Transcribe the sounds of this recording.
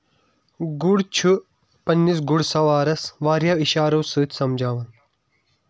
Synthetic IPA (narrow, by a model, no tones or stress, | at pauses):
ɡuɽt͡ʃʰu | pɐnːis̬ɡuɽsɐʋaːɾɐsʋaːɾjaːʋiʃaːɾɐːsɨːt̪ʰsɐmd͡ʒʱaːʋɐn